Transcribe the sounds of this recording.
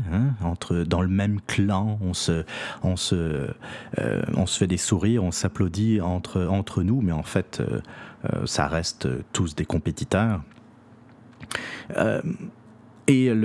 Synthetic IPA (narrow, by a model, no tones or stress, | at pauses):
ɛ̃ɑ̃t̪χəd̪ɑ̃ləmɛmklɑ̃ɔ̃səɔ̃sə | ø̰ɔ̰̃sə̥fɛd̪esuʁiʁɔ̃saplod̪iɑ̃t̪χəɑ̃t̪χənumɛɑ̃fɛt̪ʰø̰ø̰sa̰ʁɛst̪ø̰t̪usd̪ekɔ̃pet̪it̪œːʁ | ø̰ | el